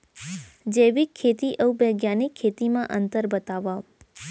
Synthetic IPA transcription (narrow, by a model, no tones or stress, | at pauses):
d͡ʒeʋikʰːet̪iʔəwbəɡjanikʰːet̪imãʔənt̪əɾbət̪aʋa